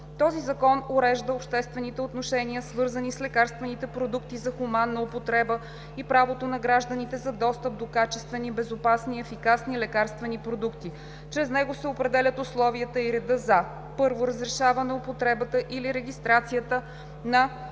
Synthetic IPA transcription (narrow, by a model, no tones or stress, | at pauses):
t̪ɔzizɐkɔnoɾɛʒd̪əopʃt̪ɛst̪vɛnit̪ɛot̪noʃɛniəsvɤɾzənislɛkaɾst̪vɛnit̪ɛpɾod̪ukt̪izɐxʊmanːɐopot̪ɾɛbə | ipɾavot̪onɐɡɾaʒd̪ənit̪ɛzɐd̪ɔst̪əp̚d̪okat͡ʃɛst̪vɛnibɛzopasniɛfikasnilɛkaɾst̪vɛnipɾod̪ukt̪i | t͡ʃɾɛznɛɡosɛopɾɛd̪ɛlʲət̪ʊslˠɔviət̪əiɾɛd̪ɤzɐ | pɤɾvoɾəzɾɛʃavɐnɛopot̪ɾɛbət̪əʔiliɾɛɡ̟ʲist̪ɾat̪sijət̪ə | nɐ